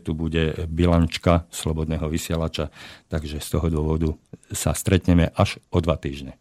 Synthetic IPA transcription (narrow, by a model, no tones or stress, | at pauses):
t̪ubuɟɛbilant͡ʃkaslɔbɔd̪nɛːɦɔʋisɪɛlat͡ʃat̪aɡʒɛst̪ɔɦɔd̪ʊɔʋɔd̪usa̰st̪ɾɛt̪ɲɛmɛʔaʒʔɔd̪ʋat̪iːʒɲɛ